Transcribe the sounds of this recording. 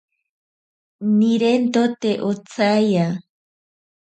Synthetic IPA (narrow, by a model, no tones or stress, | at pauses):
niɾent̪ot̪eʔot͡saja